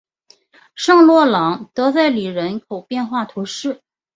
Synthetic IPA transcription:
ʂɑ˥˧ŋlwɔ˥˩lɑ˧˥ŋt̪ɤ˧˥t͡sa˥˩ɪli˨˩ɻə˧˥nkʰo˨˩ʊpjɛ˥˧nxwa˥˩t̪ʰu˧˥ʂɻ̩˥˩

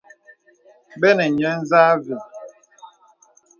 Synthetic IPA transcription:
bɛ˦nɛ˨ɲɛ˦n̩˦zaː˦vi˨

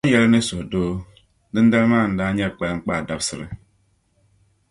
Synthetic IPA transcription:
a˦jɛ˦lnɨ˦sʊ˨hdoː˦ | dɨ˦n˦da˦lmaː˦˨n̩˨daː˦ɲɛ˦˨k͡pɛ˨lŋ̩˦k͡paː˦˨da˨bsɨ˨ɾɨ̰˦

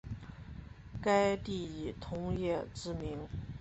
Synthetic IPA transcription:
ka˥ɪt̪i˥˩i˨˩t̪ʰʊ˧˥ŋjɛ˥˩ʈ͡ʂɻ̩˥mi˧˥ŋ

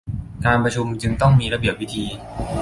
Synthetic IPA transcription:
kaː˧npɾa˧t͡ɕʰu˧mt͡ɕɯ˧ŋt̪ɔ˥˩ŋmiː˧ɾa˧bi˨˩əp̚wi˦˥t̪ʰiː˧

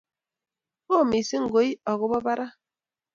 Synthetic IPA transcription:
o˦˨mi˨se˦ŋ̩˨ɡo˨˦i˦ɔ˨ɣʊ˦bɔ˦ba˦ɾa˦

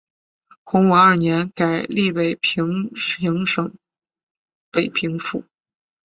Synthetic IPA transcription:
xʊ˧˥ŋwa˨˧˥ɐə˞˥˩njɛ˧˥nka˨˩ɪli˥˩pe˨˩ɪpʰi˧˥ŋi˧˥ŋʂɤ˨˩ŋ | pe˨˩ɪpʰi˧˥ŋfu˥˩˦

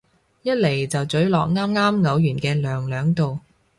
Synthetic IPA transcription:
jɐ˥t̚le˨˩jt͡sɐ˨wt͡sɵ˨˥ɥlɔː˨k̚ŋaː˥mŋaː˥mŋɐ˨˥wjyː˨˩nkɛː˧lœː˨ŋlœː˨˥ŋt̪o˨w

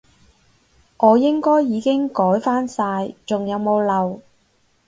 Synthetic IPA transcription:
ʔɔː˨˧jɪ˥ŋkɔː˥jːiː˨˧kɪ˥ŋkɔː˨˥jfaː˥nsaː˧jt͡sʊ˨ŋjɐ˨˧wmo˨˧wlɐ˨w

